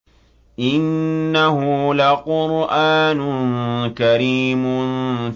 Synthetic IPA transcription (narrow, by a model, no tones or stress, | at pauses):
ʔɪnːaɦʊlaqʊɾʔaːnʊnkaɾiːmʊn